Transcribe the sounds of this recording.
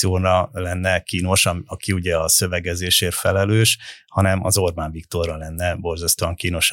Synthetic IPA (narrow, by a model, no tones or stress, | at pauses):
ioːɾɒlɛnːɛkiːno̞ʃɒɒkiuɟɛɒsø̞vɛɡɛzeːʃeːrfɛlɛløːʃhɒnɛmɒ̰zo̞rbaːɱvikt̪o̞rːɒlɛnːɛbo̞rzɒst̪oɒŋkiːno̞ʃ